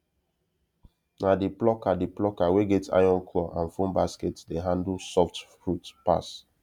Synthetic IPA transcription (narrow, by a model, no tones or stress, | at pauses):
nadiplɔkadiplɔkaweɡetʰa̰jɔ̃nkʰlɔʔãnfõmbasketdeɦãndl̩sɔft | ɹutpa̰s